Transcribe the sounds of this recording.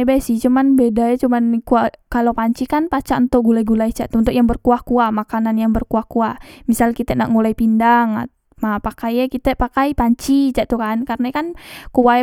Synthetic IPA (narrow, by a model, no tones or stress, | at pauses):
bajsiht͡ʃumanbedajat͡ʃumankuakalopaɲt͡ʃikanpat͡ʃaʔnt̪oɡulaiɡulait͡ʃaʔt̪unt̪uʔjaŋbərkuahkuamakananjaŋbərkuakuamisalkit̪ɛna̰ʔŋulaipindaŋa̰t̪ | mapakajakit̪ɛpakaipaɲt͡ʃit͡ʃaʔt̪ukankarnakankuwa